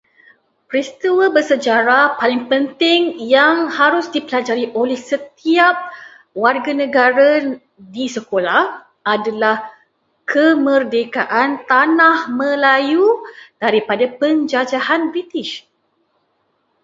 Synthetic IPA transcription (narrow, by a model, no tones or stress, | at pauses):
pɾist̪iwəbərsəd͡ʒaɾapalɪŋpənt̪ɪŋjaŋhaɾʊsdipəlad͡ʒaɾiʔolɛhsət̪iap̚ | warɡanə̃ɡaɾa | disəkolah | adalah | kʰəmə̃rdekaʔant̪anãhmə̃lajud̥aɾipadapəɲd͡ʒad͡ʒahanbɾit̪ɪʃ